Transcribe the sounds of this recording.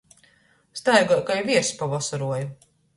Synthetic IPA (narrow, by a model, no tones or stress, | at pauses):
st̪ajɡɔkajvʲiɛɾspavɔsaɾuɔju